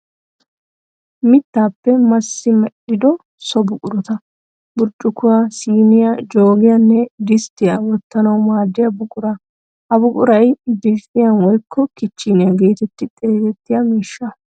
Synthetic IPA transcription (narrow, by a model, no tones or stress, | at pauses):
mɪt̪ːaːpːɛmɐsːɪmɛɗɪd̪ɔ | sɔbʊkʼʊɾɔt̪ɐ | bʊɾt͡ʃʼːʊkːʊwasiːnɪjɐd͡ʒo̞ːɡɪjɐnːɛd̪ɪst̪ːɪjɐwɔt̪ːɐnɐwmaːd̪ːɪjɐbʊkʼʊɾɐ | hɐbʊkʼʊɾɐjbɪtʼːɪjɐnwɔjkʰːɔkɪt͡ʃːinɪjɐɡe̞ːt̪ɛt̪ːɪt̪ʼe̞ːzɛt̪ːɪjamiːʃːɐ